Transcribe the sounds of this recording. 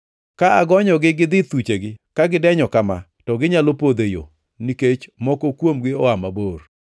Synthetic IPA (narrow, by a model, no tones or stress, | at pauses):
kaaɡɔɲɔɡɪɡɪd̪ɪt̪ut͡ʃeɡɪkaɡɪdɛɲɔkama | tɔɡɪɲalopod̪ejo̰ | niket͡ʃmɔkokwomɡɪɔamabor